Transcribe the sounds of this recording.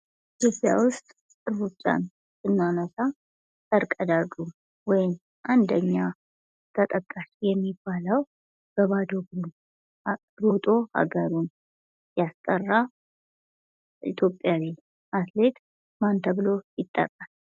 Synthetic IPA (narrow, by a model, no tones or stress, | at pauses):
ʔit̪ʰjopʼja̰wʊst̪ʼ | ɨɾut͡ʃʼːa̰n | sɨnːanəsa | təɾkʼəd̪adu | wɔjɪm | ʔand̪əɲːa | t̪ʰət̪ʼəkʼːaʃijɛmːibːaləw | ɡ̥əβad̪oɡɾun | ɾot̪ʼo̞ha̰ɡəɾun | jast̪ʼərːa | ʔḭt̪ʰjo̞pʼjawi | mat̪le̞t̪ | mant̪ʰəβɨlo̞jɪt̪ʼːə̰kʼal